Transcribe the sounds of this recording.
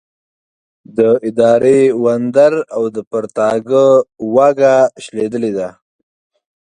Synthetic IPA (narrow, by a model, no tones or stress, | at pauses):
d̪əɪd̪ɑɾʔewand̪aɾawd̪əpəɾt̪ɑɡəwaɡaʃled̪əled̪a